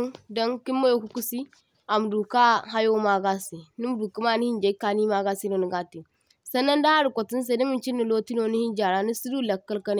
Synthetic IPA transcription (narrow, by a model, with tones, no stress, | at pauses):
do˦ŋki˦mːo˦jo˦ku˦ku˦si˦ | a˨m˨du˨ka˦ɦa˦jo˦ma˦ɡa˦si˨ni˦m˦du˨ki˦ma˦˨ni˦hi˦nd͡ʒe˨˦ka˨ni˦ma˦ɡa˦si˦no˨ni˨ɡa˦ti˨ | sɐ˦nːa˦nda˦ha˦ɾi˨kʷo˨ti˦n˦s̬e˨˦ni˦mi˦nt͡ʃi˦nːi˨lo˦ti˦no˦ni˦hi˦nd͡ʒa˨ɾa˦ni˦si˦du˦˨lɐ˨kːɐ˦lka˦n˦˨